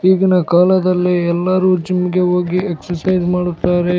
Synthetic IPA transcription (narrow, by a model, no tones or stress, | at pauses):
iːɡinɐkaːlɐd̪ɐlːiɛlːɐɾuːd͡ʒɐmiɡe̞ɦoːɡieksɐɾsɐjzmaːɽut̪ːaːɾe̞